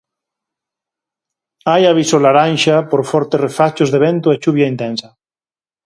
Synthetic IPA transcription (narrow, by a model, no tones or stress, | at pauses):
ajaβ̞isolaɾanʃapoɾfɔɾt̪erefat͡ʃozðeβent̪oet͡ʃuβjaint̪ɛnsa